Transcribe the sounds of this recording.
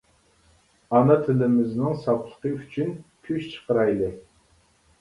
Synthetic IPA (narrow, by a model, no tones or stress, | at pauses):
ɑnɑt̪ʰɪlɪmɪznɪŋsɑplˠə̥qəyt͡ʃʰynkʲʰyʃt͡ʃʰə̥qəɾɑjlˠɨ